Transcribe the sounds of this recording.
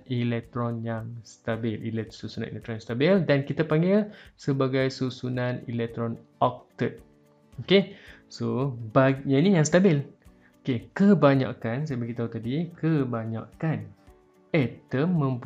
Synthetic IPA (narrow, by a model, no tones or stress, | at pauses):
ilɛk̚t̪ɾɔnjaŋst̪abɪlḭlɛsusunã̰nʔḭlɛk̚t̪ɾɔnjãŋst̪abɪldankit̪apaŋɡɪlsəbaɡajsusunãnḭlɛk̚t̪ɾɔn | ɔk̚t̪ət̪̚ | oke | sobaɡɲainijaŋst̪abɪl | okekəbaɲa̰kans̬ajabaɡit̪aut̪adikəbaɲa̰kan | ɛt̪əmːə̃mp